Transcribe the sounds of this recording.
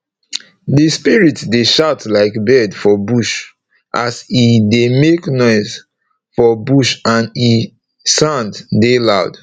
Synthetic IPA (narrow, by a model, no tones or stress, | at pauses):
dispiɹitdeʃaʊtlaɪkbɛdfɔbuʃ | ʔasidemeknɔɪz | fɔbuʃãni | sãnddelaʊd̥